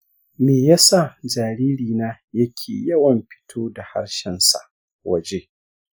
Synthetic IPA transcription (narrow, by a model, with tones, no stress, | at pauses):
meː˨ja˦sa˦˨d͡ʒaː˨ɾiː˦ɾiː˨naː˦ | jɐ˦kʲʰḛː˨jɐ˦wɐ˨mɸɪ̥˦tʰoː˦da˨ha̰˦ɽʃɛ˦nsa̰˨ʔ | wɐ˨d͡ʒe˦